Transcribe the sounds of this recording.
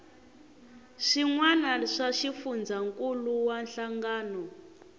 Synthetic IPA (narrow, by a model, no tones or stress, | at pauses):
ʂiŋwanaʂaʃifund͡zaŋkʼuluwanɬaŋɡaːnɔ